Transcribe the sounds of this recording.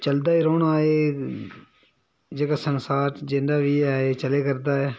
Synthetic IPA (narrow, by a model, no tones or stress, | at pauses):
t͡ʃəld̪aːɪɾoːnaːeː | d͡ʒeːkaːsənsaːɾd͡ʒɪ̃ndaːʋiːaːeːt͡ʃəleːkəɾd̪aːɛː